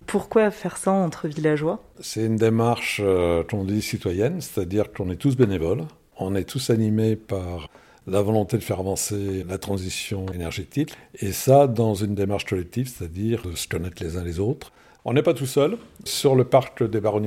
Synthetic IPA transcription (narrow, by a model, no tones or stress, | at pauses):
pʰuʁkwafɛʁsaɑ̃t̪χəvilaʒwa | sɛt̪ynd̪emaʁʃøkɔ̃d̪isit̪wajɛnse̥t̪ad̪iʁkɔ̃nɛt̪us̬benevɔl | ɔ̃nɛt̪ʰusanimepaʁ | lavɔlɔ̃t̪ed̪əfɛʁavɑ̃selat̪χɑ̃zisjɔ̃enɛʁʒit̪ikesad̪ɑ̃zynd̪emaʁʃkɔlɛk̚t̪ivse̥t̪ad̪iʁd̪əsə̥kɔnɛt̪χlezɛ̃lezot̪χ | ɔ̃nɛpat̪usœlsyʁləpaʁkd̪ebaʁɔn